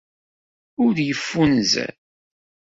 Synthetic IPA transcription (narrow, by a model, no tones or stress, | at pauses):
ʊɾjəfːunzæ̰l